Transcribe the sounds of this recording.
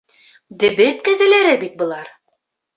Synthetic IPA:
d̪ɘ̆bɘt̪̚kæzælæɾɘbit̪̚bɤ̆lˠɑɾ

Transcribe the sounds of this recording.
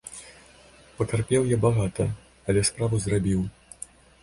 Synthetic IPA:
pɐt̪arpʲɛwjabaɣat̪ɐ | ɐlʲɛspɾavuzrabʲiw

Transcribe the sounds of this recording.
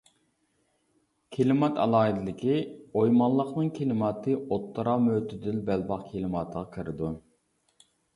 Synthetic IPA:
kʲʰelɪmɑt̪ʰɑ̰lˠɑːɦid̪ɪlɪkʲiojmɑlˠːəqnɨŋkʲʰelɪmɑːt̪ʰɨot̪ːəɾɑmøt̪ʰɪd̪ɪlbɛlbɑqkʲʰelɨmɑːt̪ʰəʁɑkʰiɾɪd̪u

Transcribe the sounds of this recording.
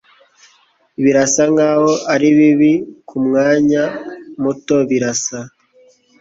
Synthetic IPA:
iβiɾasaŋɡaːho̞ʔaɾiβiβikʰumŋaːɲamuto̞βiɾasa

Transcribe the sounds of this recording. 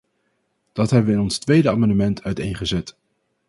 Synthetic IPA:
d̥ɑtɦɛbəʋəɪnɔnstʋejdəaːmɑndəmɛntʰœɥtḛjnχəzɛt

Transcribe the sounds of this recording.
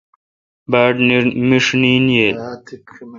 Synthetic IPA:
baːʈnmiʂniːnjeːt̪

